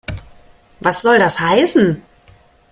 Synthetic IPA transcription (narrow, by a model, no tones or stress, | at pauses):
vasz̥ɔldashaɪsn̩